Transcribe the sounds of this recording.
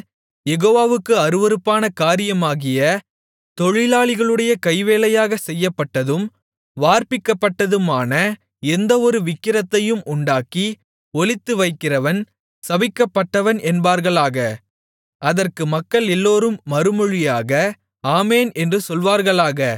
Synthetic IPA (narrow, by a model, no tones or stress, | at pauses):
jɛɣoːʋaːʋɯkːɯɐɾɯʋɐɾɯpːaːnɐkaːɾɪjɐmaːɣɪjɐ | t̪ɔɻɪlaːɭɪɣɐɭɯɽɐjɐkɐɪʋeːlɐjaːɣɐsɛjːɐpːɐʈːɐðɯm | ʋaːɾpɪkːɐpːɐʈːɐðɯmaːnɐ | ɛnd̪ɐɔɾɯʋɪkːɪɾɐt̪ːɐjɯmʔʊɳɖaːki | ɔlɪt̪ːɯʋɐɪkːɪrɐʋɐn | sɐʋɪkːɐpːɐʈːɐʋɐnɛnbaːɾɣɐɭaːɣɐ | ɐðɐrkɯmɐkːɐɭɛlːoːɾɯmːɐɾɯmɔɻɪjaːɣɐ | aːmeːnɛndrɯsɔlʋaːɾɣɐɭaːɣɐ